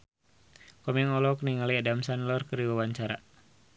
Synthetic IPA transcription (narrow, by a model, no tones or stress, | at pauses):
kɔmiŋɔlɔkniŋaliadamsanlɔrkəɾiwawaɲt͡ʃaɾa̰